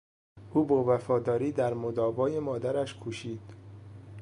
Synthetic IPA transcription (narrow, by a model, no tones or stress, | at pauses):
ʔuːbɒːvæfɒːd̪ɒːɾiːd̪æɾmod̪ɒːbɒːjemɒːd̪æɾæʃkʰuʃiːd̪̥